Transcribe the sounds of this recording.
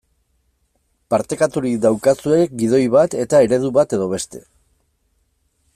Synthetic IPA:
paɾt̪e̞kat̪uɾid̪awkat͡sue̞kɡið̞o̞jβat̪e̞t̪ae̞ɾe̞ð̞uβat̪e̞ðo̞β̞e̞st̪e̞

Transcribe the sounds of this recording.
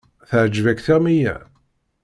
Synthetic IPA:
θəʕd͡ʒvækθæmijæ̰

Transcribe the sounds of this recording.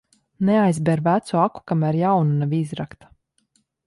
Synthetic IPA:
neajzbʲɛɾvæt̪suaku̥kamæɾjawnunavʲizɾakt̪ḁ

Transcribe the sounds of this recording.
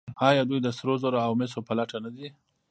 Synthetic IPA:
ɑjɑd̪ujd̪əsɾozoɾaawmɪs̬opəlaʈanad̪i

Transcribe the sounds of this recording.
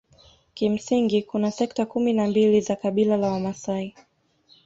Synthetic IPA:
kim̩siŋɡikunasɛk̚takuminambilizakaɓilalawamasai

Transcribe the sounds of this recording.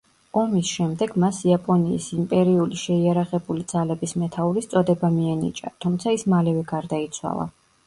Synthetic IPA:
ɔmisʃɛmd̪ɛɡmasiapʼɔnḭːsimpʼɛɾiuliʃɛiaɾaʁɛbulid̪zalɛbismɛt̪ʰauɾist̪sʼɔd̪ɛbamiɛnḭt͡ʃʼa̰t̪ʰumt̪sʰaismalɛvɛɡaɾd̪ait̪sʰwa̰lˠa̰

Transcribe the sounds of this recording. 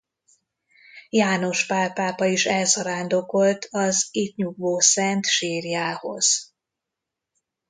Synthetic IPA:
jaːno̞ʃpaːpaːpɒiʃɛlsɒɾaːnd̪o̞ko̞lt̪ʰɒzit̪ɲuɡvoːsɛnt̪ʃeːrjaːho̞̰z̥

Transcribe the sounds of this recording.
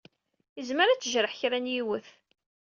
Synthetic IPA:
əzməɾæt͡sːəʒɾˤəħçɾænjiwəθ

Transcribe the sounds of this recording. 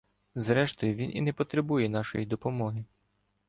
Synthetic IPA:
zɾɛʃt̪ɔjʊʋʲinʔḭnɛpɔt̪ɾebujɛnɑʃɔ̰jid̪ɔpɔmɔɦɪ

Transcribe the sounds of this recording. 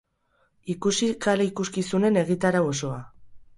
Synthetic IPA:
ikusikalaikuskisune̞ne̞ɣit̪aɾao̞so̞a

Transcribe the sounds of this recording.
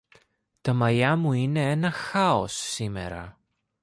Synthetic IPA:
t̪ɐmɐʎɐmuine̞enɐxɐo̞sːime̞̰ɾɐ̰

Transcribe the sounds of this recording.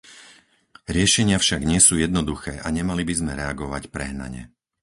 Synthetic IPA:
ɾɪɛʃɛɲɪafʃaɡɲɪɛsuːjɛd̪nɔd̪uxɛːʔaɲɛmalibizmɛɾɛaɡɔʋacpɾɛɦna̰ɲɛ̰

